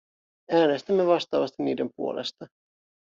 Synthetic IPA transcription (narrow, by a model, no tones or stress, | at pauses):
æːne̞st̪æmːe̞ʋɑst̪ɑːʋɑst̪iniːde̞mpuo̞̰le̞̰st̪ɑ